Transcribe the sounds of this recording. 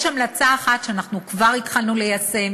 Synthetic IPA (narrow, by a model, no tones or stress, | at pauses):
ʃhamlat͡saːχatʃeanaχnukvaʁitχalnulejase̞m